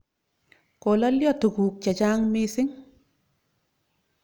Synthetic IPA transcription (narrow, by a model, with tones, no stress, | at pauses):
ko˨lɔ˦ljɔ˦tu˨kuː˨k̚t͡ʃa˨t͡ʃaː˦ŋmisɪ˦ŋ